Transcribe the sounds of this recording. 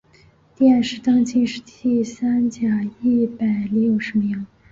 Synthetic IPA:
t̪jɛ˥˧˥nʂɻ̩˥t̪ɑ˥ŋt͡ɕi˥˧ŋʂɻ̩˥˩t̪i˥˧˩sa˥nt͡ɕja˨˩i˥˩pa˨˩ɪljo˥˩ʊʂmə˧jɑ˥˩ŋ

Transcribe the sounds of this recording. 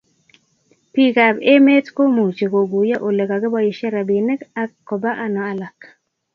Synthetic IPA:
pi˨ka˨be˦me˦tko˦mo˨t͡ʃe˨ko˨ɡu˨ja˦ʔo˨lɛ˨ka˨ɡe˦ba˦ji˨ʃa˦ɾa˨bi˨nɛ˦ka˦kːɔ˨ba˦ʔa˦nɔ˨a˨la˨k

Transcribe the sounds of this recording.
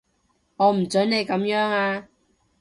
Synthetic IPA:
ŋɔː˨˧m̩˨˩t͡sɵ˨˥nne˨˧jkɐ˨˧˥mjœː˨˥ŋaː˧

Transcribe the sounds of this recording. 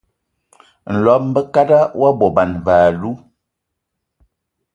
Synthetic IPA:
n̩˨lɔ˨˦m̩˦bə˦ka˦da˦wa˦bɔ˨ba˨nvaː˨lu˦

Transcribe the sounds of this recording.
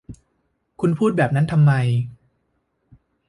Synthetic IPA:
kʰu˧npʰuː˥˩t̪̚bɛː˨˩p̚na˦˥nt̪ʰa˧mːa˧j

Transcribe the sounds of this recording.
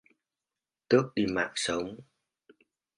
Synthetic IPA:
t̪ɨ˦˥ək̚ɗi˧ma̰ː˧˩k̚sə˨˦wŋ͡m

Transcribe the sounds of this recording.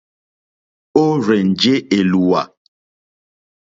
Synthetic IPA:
o˦ɾɛ˨n̩˨d͡ʒe˦e˨lu˨wa˨

